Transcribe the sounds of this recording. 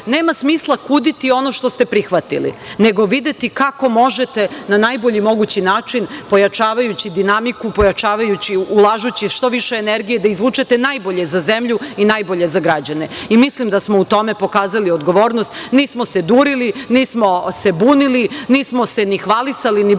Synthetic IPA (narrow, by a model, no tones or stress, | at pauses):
ne̞ːmasmiːslˠakuːd̪it̪io̞noʃt̪ost̪e̞pɾixʋat̪ḭlḭne̞ɡo̞ʋid̪e̞t̪ikako̞mo̞ʒet̪e̞nanajbo̞ʎimo̞ɡut͡ɕinaːt͡ʂinpo̞jat͡ʃaːʋajut͡ɕid̪inamikupojat͡ʃaːʋajut͡ɕiulˠaʒut͡ɕiʃt̪o̞ʋiʃeːneɾɡije̞d̪aizʋuːt͡ʃet̪enajboʎe̞zazemʎuinajbo̞ʎe̞zaɡɾad͡ʑane̞imislimd̪asmo̞ut̪o̞me̞po̞kaːzaliod̪ɡo̞ʋo̞ːɾnost̪niːsmo̞sed̪uɾiliniːsmo̞sebuːniliniːsmo̞senixʋalisalini